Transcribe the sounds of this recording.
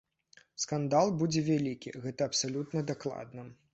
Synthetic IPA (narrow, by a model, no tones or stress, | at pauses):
skand̪alˠbud͡zʲɛvʲalʲikʲḭɣɛt̪ɐːpsalʲut̪nɐd̪aklˠa̰d̪nɐ